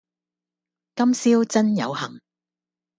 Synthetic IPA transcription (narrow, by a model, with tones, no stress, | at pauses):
kɐ˥msiː˥wt͡sɐ˥njɐ̰˨˧whɐ˨˩ŋ